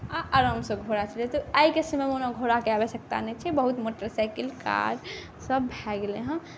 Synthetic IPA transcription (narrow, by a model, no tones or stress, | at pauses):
aʔaɾəmsə̃ɡʱoɾat͡ʃʰəlet̪ɔaikesəmemonaɡʱoɾakeabesək̚t̪a̰nɛt͡ʃʰɛbəɦut̪moʈəɾsajkilka̰ɾ | səbbʱɛɡleɦə̃